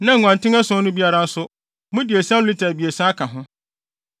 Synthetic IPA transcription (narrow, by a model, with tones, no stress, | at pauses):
nã˨ŋ̩˨ŋã˨ntɪ˦ɛ˦sʊ̃˦nʊ̃˦bi˦a˦ɾa˦n̩˦sʊ˦ | mʊ̃˦dɪ˨e˨sã˦li˦tʰa˨bi˨e˨sã˦a˦kʰã˨ɦʊ̃˦